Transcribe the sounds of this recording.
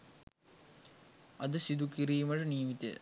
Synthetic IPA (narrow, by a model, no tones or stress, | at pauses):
ɐd̪əsid̪ukiɾiːmɐʈəniːmit̪ḛ